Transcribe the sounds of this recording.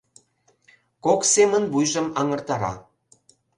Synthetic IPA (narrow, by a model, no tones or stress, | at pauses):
koksemə̆nbujʒɤ̆mɑŋɤ̆rt̪ɑɾɑ̰